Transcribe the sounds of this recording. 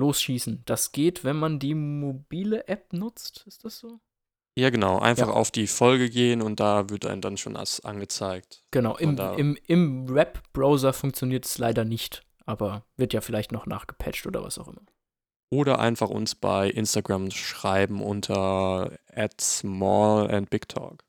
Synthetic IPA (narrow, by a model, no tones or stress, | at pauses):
loːsʃiːsn̩d̥asɡ̥eːtv̥ɛnmandiːmobiːləʔɛp̚nʊt͡stɪstd̥asz̥oː | jaːɡənaʊʔa̰ɪnfjaχa̰ʊfd̥iːfɔlɡəɡeːənʊnt̚d̥aːvɪɐtʔa̰ɪnəndanʃo̰ːnʔa̰sʔa̰nɡət͡saɪk̚tɡ̥ənaʊʔɪma̰ɪmʔɪmʁɛpb̥ʁaʊzɐfʊŋkt͡sjoniːɐtɛ̥slaɪdɐnɪçt | ʔaːbɐvɪɐtjaːfɪlaɪçtnɔχna̰ːχɡ̥ə̥pʰɛt͡ʃtʔoːdɐ̰va̰saʊxʔɪmɐ | ʔoːɾɐ̰ʔa̰ɪnfaχʊ̰nsb̥a̰ɪʔɪnstaɡʁamʃʁ̥aɪbm̩ʔʊntʰɐ | ʔɛtsmɔːlɛ̰nt̚b̥ɪktʰɔ̰ːk